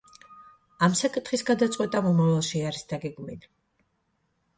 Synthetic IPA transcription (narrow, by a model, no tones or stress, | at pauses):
amsakʼit̪χisɡad̪at̪sʼqʼwɛt̪ʼamɔmavalˠʃiaɾisd̪aɡɛɡmili